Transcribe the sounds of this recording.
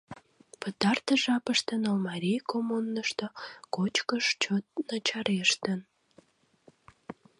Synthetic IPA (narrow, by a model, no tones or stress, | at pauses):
pət̪ɑrt̪əʒɑpəʃt̪ənolmɑɾʲijkomunːəʃt̪okot͡ɕkəʃt͡ɕot̪̚nət͡ɕɑɾʔeʃt̪ən